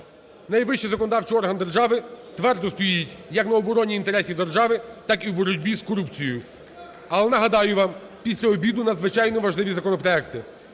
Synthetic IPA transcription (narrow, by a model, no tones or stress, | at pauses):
nɐjʋɪʃt͡ʃizɐkɔnɔd̪ɑwt͡ʃɪjɔrɦɐnd̪erʒɑʋɪt̪ʋɛrd̪ɔst̪ɔjjitʲjɐknɐɔbɔɾɔnʲiːnt̪e̞ɾɛsʲiwd̪e̞rʒɑʋɪt̪ɑkiwbɔɾʊdʲbʲiskɔɾupt͡sʲijjʊ | ɐlˠɛnɐɦɐd̪ɑjʊʋɑm | pʲisʲlʲɐɔbʲid̪ʊnɐd̪zʋɪt͡ʃɑjnɔʋɐʒlˠɪʋʲizɐkɔnɔpɾɔɛkt̪ɪ